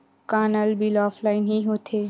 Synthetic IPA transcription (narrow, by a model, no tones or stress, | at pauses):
kaːnəlbilɔːfʰlaɪnɦiɦoːt̪ʰe